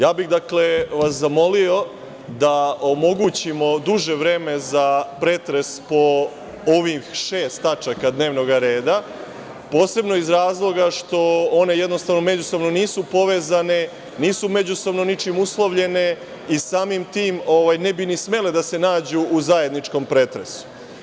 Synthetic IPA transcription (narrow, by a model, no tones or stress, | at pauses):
jaːbiɣd̪akle̞ʋaszamo̞lio̞ | d̪aomo̞ɡuːt͡ɕimo̞d̪uʒe̞ʋɾeːme̞zapɾet̪ɾe̞spo̞ | oʋixʃe̞ːst̪at͡ʃakad̪ne̞ːʋno̞ɡaɾeːd̪a | po̞ːse̞bno̞izɾaːzlˠo̞ɡaʃt̪o̞one̞je̞d̪no̞st̪aʋno̞me̞d͡ʑusoʋno̞niːsupo̞ʋe̞ːzane̞ | niːsume̞d͡ʑusoʋno̞nit͡ʃimuslˠoʋʎe̞ne̞ | isaːmimt̪iːmoʋajne̞binisme̞led̪ase̞naːd͡ʑuʔːzaje̞d̪nit͡ʃko̞mpɾet̪ɾe̞̰su̥